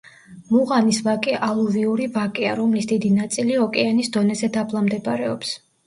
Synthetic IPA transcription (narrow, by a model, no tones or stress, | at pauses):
muʁanisvakʼɛʔalˠuviuɾivakʼɛa̰ɾɔmlisd̪id̪inat̪sʼiliɔkʼɛanisd̪ɔnɛzɛd̪abʰlˠamd̪ɛbɾɛɔps